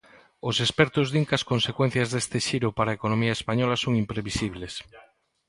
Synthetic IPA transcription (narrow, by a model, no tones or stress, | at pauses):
osespɛɾt̪ʊzðiŋkɐskonsekwen̟θjazðest̪ɪʃiɾʊpaɾaekonomiaespaɲɔlasoŋimpɾeβisiβles